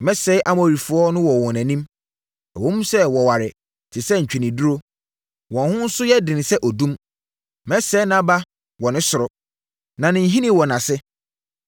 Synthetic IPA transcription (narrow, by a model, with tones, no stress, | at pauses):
mɛ̃˦sɛ˨˦ʔa˨mɔ˨ɾi˨fʊ˨˦ɔ˦nʊ̃˦wɔ˨wɔ̃˨næ̃˨nĩ˦m | ɛ˨wõ˦mũ˦sɛ˦wɔ˨wa˨ɾɪ˨ | tʰɪ˨sɛ˦ɲ̩˨t͡ɕᶣi˨nĩ˨du˦ɾo˦ | wɔ̃˨nhʊ̃˦n̩˦sʊ˦jɛ˦dɪ̃˨nɪ˨sɛ˦ʔɔ˨dũ˦m | mɛ˦sɛ˨˦nã˦ba˦ | wɔ˨nɪ̃˦sʊ˨ɾɔ˨ | nã˨nɪ̃˨n˦ɦi˦nĩ˦wɔ̃˨nã˨sɪ˦